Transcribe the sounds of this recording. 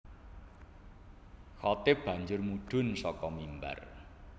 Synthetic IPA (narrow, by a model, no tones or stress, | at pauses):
xɔt̪ɪb̥a̤ɲd͡ʒʊrmuɖ̥ʊ̤nsɔkɔmimba̰r